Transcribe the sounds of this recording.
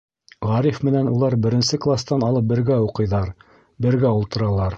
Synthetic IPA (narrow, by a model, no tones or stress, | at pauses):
ʁɑɾifmɘ̆nænulˠɑɾbɘ̆ɾɘ̆nsɘklˠast̪ɑnɑlˠɤp̚bɘ̆ɾɡæuqɤ̆jðɑɾ | bɘ̆ɾɡæulˠt̪ɤ̆ɾɑlˠɑɾ